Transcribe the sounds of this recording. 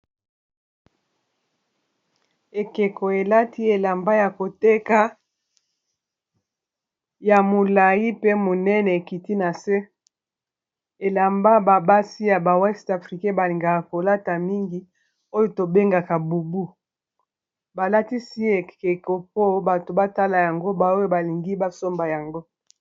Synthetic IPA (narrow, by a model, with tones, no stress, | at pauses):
e˨ke˨ko˨e˨la˦ti˦e˨la˨mba˦ja˨ko˨te˦ka˦ | ja˨mo˨la˨ji˦pe˦mo˨nɛ˦nɛ˨e˨ki˨ti˦na˨se˦ | e˨la˨mba˦ba˨ba˦si˦ja˨ba˨wɛ˦sta˨fʁi˨kɛ̃˦ba˨li˨ŋɡa˨ka˨ko˨la˦ta˨mi˦ŋɡi˨ | o˦jo˨to˨be˦ŋɡa˨ka˨bu˨bu˦ | ba˨la˦ti˦si˦e˨e˨ko˨p̚o˦ba˨to˨ba˦ta˦la˨ja˨ŋɡo˦ba˨o˦jo˦ba˨li˨ŋɡi˦ba˦so˦mba˨ja˨ŋɡo˦